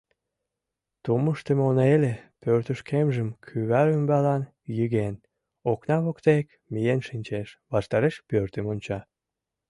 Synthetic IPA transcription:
t̪uməʃt̪əmonelepørt̪əʃkʰemʒəmkʰyβæɾymbɑlɑn | jyɣen | oknɑβokt̪ek | mijenʃinʲt͡ɕeʃβɑʃt̪ɑɾeʃpørt̪əmonʲt͡ɕɑ

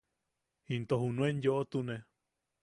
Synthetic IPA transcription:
hint̪ohunũenjoʔot̪une

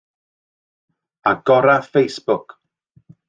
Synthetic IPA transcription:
aɡ̥ɔɾaθfejsb̥ʊk

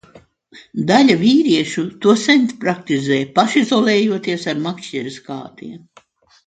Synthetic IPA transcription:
d̪alʲavʲiːɾiɛʃut̪uɔsɛnt̪pɾak̚t̪izɛːjpaʃizɔlˠɛːjuɔt̪iɛsaɾmakʃt͡ʃɛɾiska̰ːt̪ḭɛm

